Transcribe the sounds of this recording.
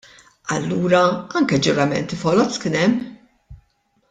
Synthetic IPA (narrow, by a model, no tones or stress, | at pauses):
ɐ̰lːuːɾɐɐŋkɛd͡ʒʊɾɐmɛ̰nt̪ifɔlɔt͡sːkɪnɛmː